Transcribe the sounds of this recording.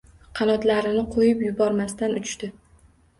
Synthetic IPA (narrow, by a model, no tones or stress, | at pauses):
qʰɑnɒt̪laɾɪnɪqʰojɪpjʊbɒɾmast̪anʊt͡ʃt̪ɪ